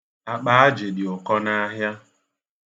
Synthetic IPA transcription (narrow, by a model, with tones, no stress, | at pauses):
a˨k͡pa˦a˦d͡ʒe˨dɪ˨ʊ˨kɔ˦na˦ɦja˦